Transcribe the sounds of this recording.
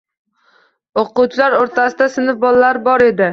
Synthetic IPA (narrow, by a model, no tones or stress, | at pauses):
oqʊt͡ʃʰlaɾoɾt̪ʰasɪd̪asɪnɪfbɒlalaɾbɒɾe̞d̪ɪ